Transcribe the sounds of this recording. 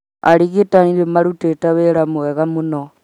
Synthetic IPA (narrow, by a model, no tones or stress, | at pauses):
a̰ɾiɣetaniɾemaɾutetaβeɾamoeɣamuno